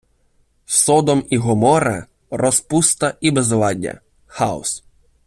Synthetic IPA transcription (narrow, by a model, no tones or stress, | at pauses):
sɔd̪ɔmiɦɔmɔɾɐ̰ | rɔspust̪ɐʔibezlˠɑdʲɐ̰ | xɑɔ̰s